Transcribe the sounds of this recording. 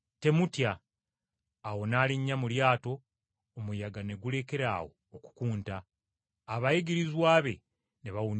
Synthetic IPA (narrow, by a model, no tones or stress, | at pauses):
te̞mutja | wo̞naːliɲːamuljaːto̞ː | mujaɡane̞ɡule̞ke̞ɾa̰ːwo̞̰ːku̥kuːntaː | βajeɡiɾizwaːβe̞ | neβawun